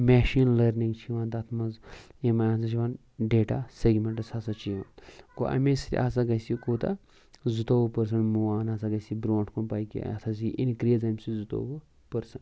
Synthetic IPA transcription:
mʲɛːʃiːnlɐɾniŋɡt͡ʃʰiʋaːnt̪ɐt̪ʰmɐzemɐjãːns̬ɐt͡ʃʰiʋaːn | ɖeːʈaːseɡmeɳʈɐsasat͡ʃiʋa̰ːnko̰ʔɐ̰mesi̥t̪ʲḭʔa̰ːs̬aɡɐsikoːt̪ɐ̰ | zut̪oːʋupɐɾs̬ɐnmuaːnaːsaɡɐsibɾoːɳʈʰkunpaːjkḭɐ̰t̪ʰɐs̬iʔḭnkɾijɐzɐmʲsizut̪o̰ʋu | pɐɾsɐn

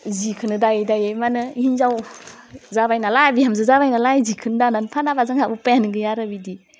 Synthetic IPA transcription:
zikʰɯnɯdajdajemanɯiinzaw | zabajnalabihamzɯzabajnalajzikʰɯndananpʰanabazaŋaupajanɯɡɯjaɾabidi

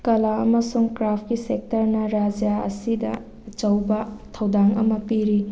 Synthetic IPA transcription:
kɐlaɐ̰mɐsuŋkɾap̚ʰkisek̚tɐɾnɐɾad͡ʒjaɐ̰sidɐ̰ | ɐt͡ʃɐwbɐtʰɐwdaŋɐ̰mɐpiɾi

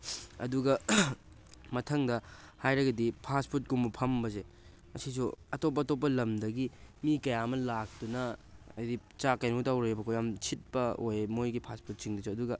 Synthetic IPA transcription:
ɐ̰duɡɐ | mɐtʰɐŋdɐ | hajɾɐɡɐdipʰaspʰuɾt̚kumbɐpʰɐmbɐze | mɐsis̬uɐtop̬ːɐtop̬ːɐlɐmdɐɡimikɐjaɐmɐlak̚tunɐɐjdi | t͡ʃakɐjnotawɾɐjebɐkʰojamt͡ʃʰit̚pɐojmojɡipʰaspʰut̚siŋdɐsuɐduɡɐ

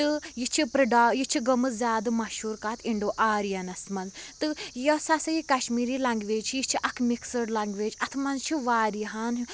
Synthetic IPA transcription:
t̪ɨjit͡ʃʰipɾɐɖaːjit͡ʃʰiɡɐmɨzʲjaːd̪ɨmɐʃuːɾkaːt̪ʰiɳɖoːʔaːɾjɐnɐsmɐnzt̪ɨjɐsasɐjikɐʃmiːɾiːlɐŋɡʋeːd͡ʒt͡ʃʰijit͡ʃʰiʔɐkʰmiksəɽlaŋɡʋeːd͡ʒɐt̪ʰmɐnzt͡ʃʰiʋaːɾiɦaːn

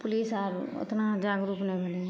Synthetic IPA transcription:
pʊliːsaːɾʊ̰t̪nad͡ʒaːɡɾuːpnẽbʱɐle

